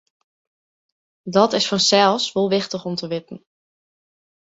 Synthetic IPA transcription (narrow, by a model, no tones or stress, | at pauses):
dɔtɪsfɔnsɛlˠsʋolˠʋɪxtəχɔmtəʋɪtn̩